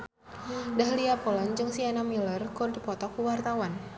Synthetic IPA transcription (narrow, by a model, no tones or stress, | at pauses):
dahliapɔlɔnd͡ʒɨŋsianamilərkurdipɔt̪ɔkuwart̪awan